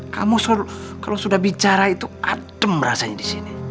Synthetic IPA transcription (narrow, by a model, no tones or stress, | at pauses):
ka̰musukalosudahbit͡ʃaɾait̪uadəmɾa̰saɲadisini